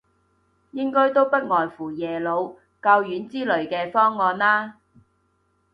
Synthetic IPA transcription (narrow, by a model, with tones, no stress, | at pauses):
jɪ˥ŋkɔː˥jt̪o˥wpɐ˥t̚ŋɔː˨jfuː˨˩jɛː˨˩lo˨˧w | kɐ˧wjyː˨˥nt͡siː˥lɵ˨˩ɥkɛː˧fɔː˥ŋːɔː˨˧nlaː˥